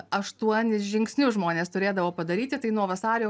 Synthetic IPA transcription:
ɐʃt̪uɔnʲɪsʒʲɪŋksʲnʲʊʒmoːnʲeːst̪ʊɾʲeːd̪ɐʋoːpɐd̪ɐɾʲiːt̪ʲɪt̪ɐɪnuɔʋɐsɑːɾʲoː

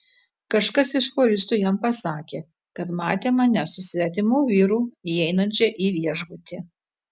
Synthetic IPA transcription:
kɐʃkɐsɪʃpoːɾʲɪst̪uːjɛmpɐsɑːkʲeː | kɐt̪mɑːt̪ʲeːmɐnʲɛsʊsʲʋʲɛt̪ʲɪmʊːʋʲiːɾuːiɛɪnɐnʲt͡ʃʲɛʔiːʋʲiɛʒɡʊt̪ʲɪ

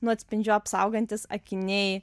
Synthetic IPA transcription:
nʊɐt̪ʲsʲpʲɪnʲd͡ʒʲʊɐpsɐʊɡɐnʲt̪ʲɪsɐ̰kʲɪnʲɛɪ

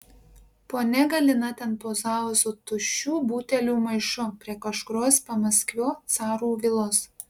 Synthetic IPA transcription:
poːnʲɛɡɐlʲɪnɐt̪ʲɛnpoːzɑˑʋsʊt̪ʊʃʲuːbuːt̪ʲɛlʲuːmɐɪʃʊpʲɾʲiɛkɐʃkʊɾoːspɐmɐsʲkʲʋʲoːt̪sɑːɾuːʋʲɪlˠoːs

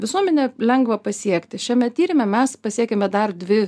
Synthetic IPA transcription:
ʋʲɪsuɔmʲɛnʲɛlʲɛŋɡʋɐpɐsʲiɛkt̪ʲɪʃʲɛmʲɛt̪ʲiːɾʲɪmʲɛmʲɛspɐsʲiɛkʲɛmʲɛd̪ɐrd̪ʲʋʲɪ

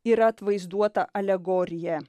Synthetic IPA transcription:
iɾɐɐt̪ʋɐɪzd̪uɔt̪ɐʔɐlʲɛɡoːɾʲɪjɛ

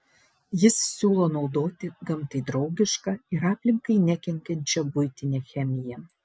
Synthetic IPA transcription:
jɪssʲuːlˠoːnɒʊd̪oːt̪ʲɪɡɐmt̪ɐɪd̪ɾɒʊɡʲɪʃkɑːɪɾɑːpʲlʲɪŋkɐɪnʲækʲɛŋʲkʲɛnʲt͡ʃʲɛbʊɪt̪ʲɪnʲeːxʲɛmʲɪjɛ

